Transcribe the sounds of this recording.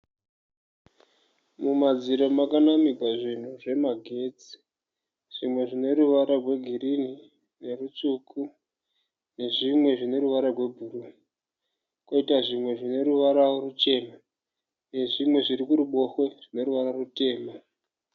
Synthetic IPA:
mumad͡ziɾomakanamikaʐin̤uʐe̞maɡʱe̞d͡zi̥ | ʐ̥imwe̞ʐine̞ɾuʋaɾarwe̞ɡʱirini | ne̞rut͡suku | ne̞ʐimwe̞ʐine̞ɾuʋaɾarwe̞bʱuːru | koitaʐimwe̞ʐine̞ɾuʋaɾaorut͡ʃe̞na | ne̞ʐimwe̞ʐiɾikuɾuɓo̞xweʐ̥ine̞ɾuʋaɾarute̞ːma

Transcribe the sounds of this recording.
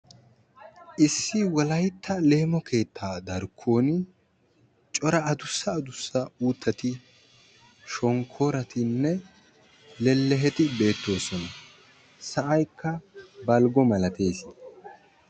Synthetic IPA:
ʔɪsːɪwɐlɐjt̪ʰːɐle̞ːmɔkʰe̞ːt̪ʰːaːd̪ɐɾkʰːo̞ːnɪ | t͡ʃʼɔɾɐɐd̪ʊsːɐːd̪ʊsːɐuːt̪ːɐt̪ɪ | ʃɔŋkʰːo̞ːɾɐt̪ɪnːɛ | lɛlːɛɦɛt̪ɪbe̞ːt̪ːo̞ːsɔnɐ | sɐʔɐjkːɐbɐlɡɔmɐlɐt̪e̞ːsɪ

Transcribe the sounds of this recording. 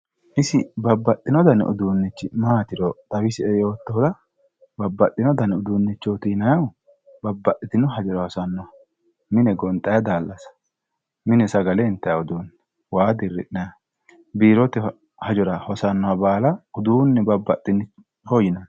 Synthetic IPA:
ʔɪsɪbɐbːɐt̪ʼːɪnɔd̪ɐnɔ̰d̪uːnːɪt͡ʃːɪmaːt̪ɪɾɔd̪̥ɐwɪsɪɛjo̞ːt̪ːɔɔd̪ɐ | bɐbːɐt̪ʼːɪnɔd̪ɐnʊd̪uːnːɪt͡ʃːot̪inɐjɐw | bɐbːɐt̪ʼːɪt̪ɪnʊɦɐd͡ʒɔɾɐhɔsɐnːɔwɐ | mɪnɛɡɔnt̪ʼːɐjɐd̪aːlːɐsɐ̥ | mɪnɛsɐɡɐlɛnt̪ːɐjaɔd̪uːnːɛ | waːd̪ɪrːɪ̰ᶑnɐjɐ | biːɾɔt̪ɛ | hɐd͡ʒɔɾɐhɔsɐnːɔɐbaːlɐʊd̪uːnːɛbɐbːɐt̪ʼːɪnɪ | hɔjɪnɐ

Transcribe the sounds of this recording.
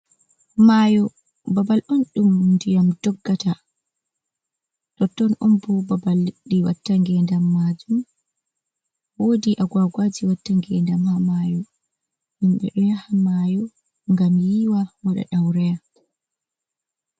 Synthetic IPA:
majɔ | babalʔɔnɗumndijamdɔɡːata | ɗɔtːɔnʔɔmbɔbabalɗiwatːaŋɡɛndamːad͡ʒum | wodiʔaɡwaɡwad͡ʒiwatːaŋɡɛndamhamajɔ | himɓɛ̰ɗɔjahamajɔ | ŋɡamjiwawaɗa̰ɗawɾɛja

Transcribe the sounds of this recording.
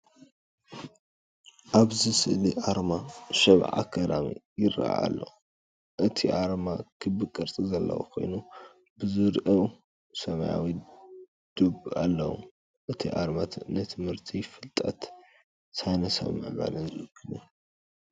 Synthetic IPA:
ʔaβzɨsɨʔliʔaɾmaʃɐβʕa̰kʰːɐd̪amḭjɪɾa̰ʔa̰lːɐ̰wu | ʔɨt̪ʰiʔaɾmakʰɨbɨkʼɐɾt͡sʼizɐlːɐ̰wṵkʰo̞̰jnu | bɨzɨɾʔɐw | sɐmaja̰wi | d̪̥ubalːɐ̰wṵ | ʔɨt̪ʰiʔaɾmat̪ʰɨʔnɐt̪ʰɨmhɨɾt̪ʰifɨlt̪ʼɐt̪ | sajnɐsɐ̰βmɨʔβa̰lɨnzɨɨkʰːɨnu

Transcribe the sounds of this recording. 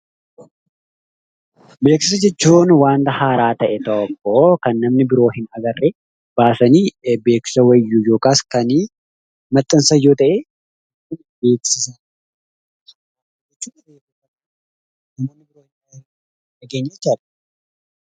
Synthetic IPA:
be̞ːksɪsɐd͡ʒɛt͡ʃːuːnwaːnt̪ɐhaːɾaːt̪ɐʔɛt̪ɐʔɔkːoːkɐnːɐmnɪbɪɾo̞ːɦɪnɐɡɐrːɛ | b̥aːsɐniːbe̞ːksɪ̥sɐwɐjːujo̞ːkaːskɐni | mɐt̪ːɐnsɐjoːt̪ɐʔeː | ʊn | be̞ːksɪsɐ | d͡ʒɛt͡ʃːuːnɐbeːkɪsɐ | nɐmoːnːɪbɪɾoːhɪnɐɡɐ | ɐɡeːɲːɐt͡ʃːɐᶑɐ̥

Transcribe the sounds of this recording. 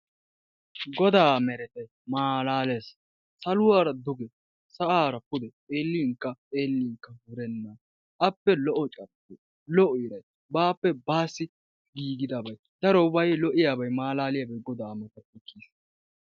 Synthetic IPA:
ɡɔd̪aːmɛɾɛt̪ɛj | maːlaːleːs | sɐlʊwaːɾɐd̪ʊɡɛ | sɐʔaːɾɐpʊd̪ɛ | eːlːiŋkːɐeːlːiŋkːɐwʊɾɛnːɐ | ʔɐpːɛlɔʔɔt͡ʃʼɐɾte | lɔʔɔɪɾɐj | baːpːɛbaːsːɪ | ɡiːɡɪd̪aːbɐj | d̪̥ɐɾɔʊbɐjlɔʔɪjaːbɐjmaːlaːlɪjaːbɐjɡɔd̪aːmɐt̪ɐtːɪkːiːs

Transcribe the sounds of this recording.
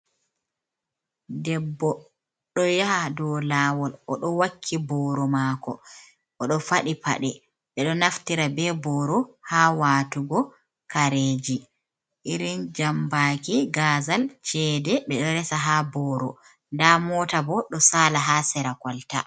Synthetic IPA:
dɛbːɔ | ɗɔjaɦadɔlaːwɔlɔɗɔwakʰːibɔːɾɔmakɔ̰ | ɔɗɔfaɗipa̰ɗɛ | ɓɛɗɔnaftiɾabɛbɔːɾɔhaːwatuɡɔ | kaɾeːd͡ʒi | ʔiɾind͡ʒambaːkiɡaːzalt͡ʃɛːdɛɓɛɗɔɾɛsaɦabɔɾɔ̰ | ndamɔːtabɔɗɔsaːlaɦasɛɾakɔlta̰

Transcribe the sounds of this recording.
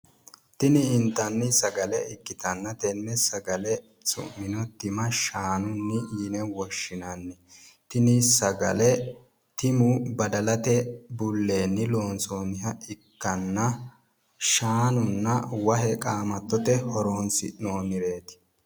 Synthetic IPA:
t̪ɪnɪɪnt̪ːɐnːɪsɐɡɐlɛɪkːɪt̪ɐnːɐt̪ɛnːɛsɐɡɐlɛ | sʼʊ̰mːɪnɔt̪ɪmɐʃaːnʊnːɪjɪnɛwɔʃːɪnɐnːɛ | t̪ɪnɪsɐɡɐ̰lɛ | t̪ɪmʊbɐd̪ɐlɐt̪ɛbʊlːe̞ːnːɪloːnsoːnɪɦɐɪkːɐnːɐ | ʃaːnʊnːɐwɐɦɛkʼaːmɐt̪ːɔt̪ɛhɔɾoːnsɪ̰noːnɪɾe̞ːt̪ɪ̥

